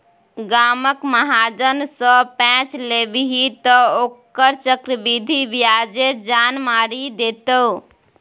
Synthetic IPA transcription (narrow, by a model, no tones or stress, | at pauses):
ɡaməkməɦad͡ʒənsə̃pɛ̃t͡ʃlebiɦit̪ɔokəɾt͡ʃəkɾəbid̪ʱibijad͡ʒed͡ʒanmaɾid̪et̪ə